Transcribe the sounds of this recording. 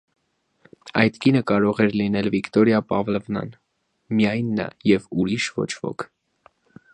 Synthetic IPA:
ɑ̰jt̪kinəkɑɾɔʁɛɾlinɛlvikt̪ɔɾjɑpɑvlɛvnɑ̰n | mijɑjnːɑ̰jɛvuɾiʃvɔ̰t͡ʃʰvɔ̰kʰ

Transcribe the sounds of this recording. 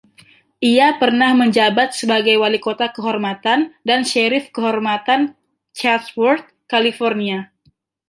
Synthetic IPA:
ʔiapərnahməɲd͡ʒabat̪̚səbaɡajwalikot̪akəɦɔrmat̪andanʃeɾɪfkəɦɔrmat̪an | t͡ʃat̪wɔrt̪̚kalifɔrnia

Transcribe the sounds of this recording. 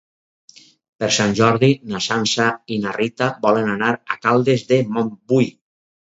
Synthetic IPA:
peɾsanʲʒɔɾðinasansainarit̪abɔlenanaɾa̰kalˠd̪ezðemombuj

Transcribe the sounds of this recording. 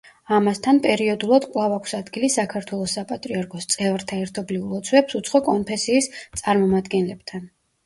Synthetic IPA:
amast̪ʰanpʼɛɾiɔd̪ulˠad̪kʼwlˠavakʷʰsad̪ɡilisakʰaɾt̪ʰwɛlˠɔsːapʼat̪ʼɾiaɾkʰʼɔst̪sʼɛvɾt̪ʰaɛɾt̪ʰɔbliulˠɔt̪sʰwɛpsut̪sʰχɔkʼɔnpʰɛsiːst̪sʼaɾmɔmad̪ɡɛnlɛb̚t̪ʰan

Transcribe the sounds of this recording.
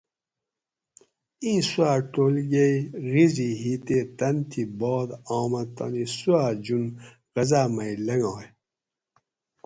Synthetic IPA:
ĩːsuaːʈoːlɡeiɣiziɦiːt̪eːt̪ɐnt̪ʰibɔːd̪ɑːmɐt̪ɐ̰nisuaːd͡ʑun | ɣɐzaːmɐilɐŋɑːj

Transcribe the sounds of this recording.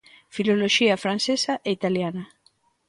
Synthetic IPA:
filoloʃiafɾansesaʔeit̪aljana

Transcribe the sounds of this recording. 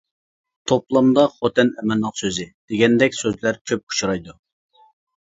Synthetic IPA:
t̪ʰoplˠɑmd̪ɑχot̪ʰɛnɛmɛnːəqsøzɪd̪̥eɡʲɛnd̪ɛkʲsøzlæɾkʲʰøp̚kʰu̥t͡ʃʰuɾɑjd̪u

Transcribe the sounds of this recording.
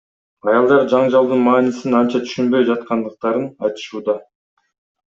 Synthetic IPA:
ɑjɑlˠd̪ɑɾd͡ʒɑɴd͡ʒɑlˠd̪ɯnmɑːnisinɑnt͡ʃɑt̪ʰy̥ʃynbø̞jd͡ʒɑt̪̚qɑnd̪ɯq̚t̪ɑɾɯnɑjt̪ɯ̥ʃuːd̪ɑ

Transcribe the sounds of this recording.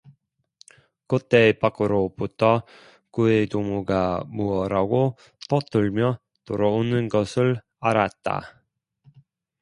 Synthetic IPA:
kot͈e̞pak͈ɯɾobutʰʌ | kuetomuɡamuʌɾaɡo | tʌt͈ɯɭmjʌ | toɾʌonɯnɡʌsʰɯɭ | aɾat̚t͈a̰

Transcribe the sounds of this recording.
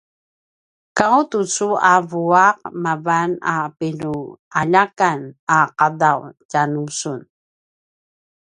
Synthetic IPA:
kawtut͡suavuaqmavanapinuaʎakanaqadawcanusun

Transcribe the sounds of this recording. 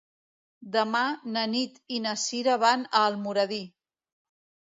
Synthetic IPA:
d̪əmanənit̪inəsiɾəβanəːlˠmuɾəði

